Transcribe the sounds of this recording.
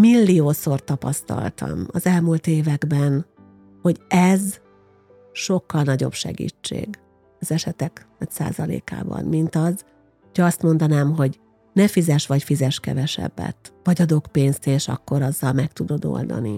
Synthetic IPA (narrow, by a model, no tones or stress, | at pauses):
milːijoːso̞rt̪ɒpɒst̪ɒ̰lt̪ɒ̰mɒzɛlmult̪eːvɛɡbɛn | ho̞ɟɛz | ʃo̞kːɒlnɒɟo̞̰bʃɛ̰ɡḭːt͡ʃːḛːɡ | ɒzɛʃɛt̪ɛknɒcsa̰ːzɒlḛːka̰ːbɒ̰nmint̪ɒz | hocʰɒɒst̪mo̞nd̪ɒnaːmɦo̞ɟ | nɛfizɛʃʋɒcfizɛʃkɛ̰vɛʃɛ̰bːɛ̰t̪vɒɟɒd̪o̞kpeːnst̪eːʃɒ̰kːo̞ɾɒzːɒlmɛkt̪ud̪o̞d̪o̰ld̪ɒ̰ni